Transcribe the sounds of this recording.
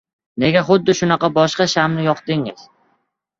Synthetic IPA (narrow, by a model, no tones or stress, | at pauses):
ne̞ɡʲaχʊd̪ːɪʃʊnɑqɑbɒʃqɑʃamnɪjɒqd̪ɪŋɪz̥